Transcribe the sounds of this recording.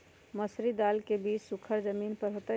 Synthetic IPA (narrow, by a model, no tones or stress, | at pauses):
məsɾid̪aːlkebiːt͡ʃsʊkʰəɾd͡ʒəmiːnpəɾɦoːt̪a